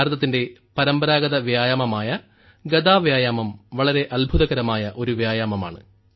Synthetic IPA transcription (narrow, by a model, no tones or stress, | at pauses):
ɾɐðɐt̪ːinde̞pɐɾɐmbɐɾaːɡɐðɐʋjaːjaːmɐmaːjɐ | ɡɐd̪aːʋjaːjaːmɐmʋɐɭɐɾe̞ʔɐlbʱuðɐɣɐɾɐmaːjɐʔo̞ɾuʋjaːjaːmɐma̰ːɳɨ